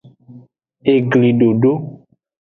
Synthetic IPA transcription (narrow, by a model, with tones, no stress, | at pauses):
e˨ɡli˨ɖo˨ɖo˦